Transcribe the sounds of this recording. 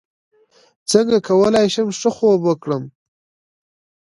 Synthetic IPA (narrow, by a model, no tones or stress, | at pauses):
t͡səŋɡakʰawəlajʃamʂəxobwəkɽəm